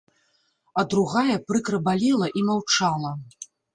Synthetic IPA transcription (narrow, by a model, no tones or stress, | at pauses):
ɐd̪ɾuɣajɐpɾɨkɾɐbalʲɛlˠɐʔimawt͡ʂalˠɐ